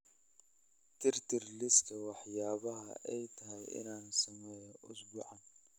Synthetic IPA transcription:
t̪ɪɾt̪ɪɾlɪskɐwaħjaːβɐɦɐ̰ʔɛjt̪ʰɐɦɐjɪ̰naːnsɔmɛjɔʔʊsbʊʕan

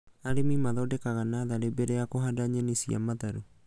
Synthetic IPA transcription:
aɾemimaðɔdɛkaɣanaðaɾebɛɾɛakoɦadaɲɛnisia̰mataɾu

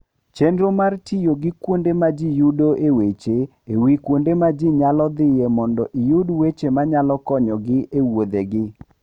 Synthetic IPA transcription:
t͡ʃendɾomartijoɡɪkwondemad͡ʒijudoʔewet͡ʃe | ewikwondemad͡ʒiɲalɔd̪ɪjemɔndɔʔijudwet͡ʃemaɲalɔkɔɲɔɡɪʔewod̪eɡɪ

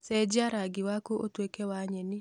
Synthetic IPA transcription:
sɛd͡ʒaɾaɡiwakuʔotwekɛwaɲɛni

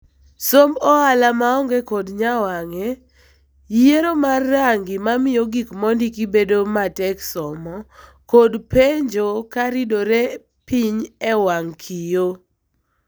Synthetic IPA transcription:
sombɔalamaɔŋɡekodɲawaŋɛ | jieɾomarːaŋɡɪmamɪjoɡikmɔndikibedomatɛksɔmɔ | kodpeɲd͡ʒokaɾidoɾe | piɲɛwaŋkʰijo

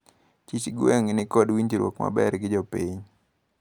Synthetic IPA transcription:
t͡ʃit͡ʃɡwɛŋɪnɪkɔdwiɲtiɾwɔ̰kma̰bɛrɡɪd͡ʒɔpiɲ

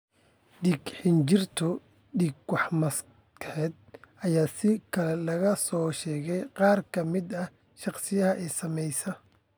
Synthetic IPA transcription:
ɖiːɡħɪnt͡ʃɪrt̪ʰɔ | ɖiːɡwɑħmɐs | kħɛːd̪̚ɐjaːsɪkʰɐlɛlɐɣɐsɔːʃɛːɣɛjqɑːrkʰɐmɪd̪ɐ | ʃɑqsɪjɐɦɐʔɛːsɐmɛjsɐ

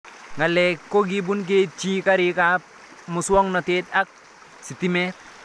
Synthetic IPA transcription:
ŋalɛkːoɡibunk̬et͡ʃikaɾɪkap̚ | mʊswɔŋnɔtetak̚ | sitimɛt̚

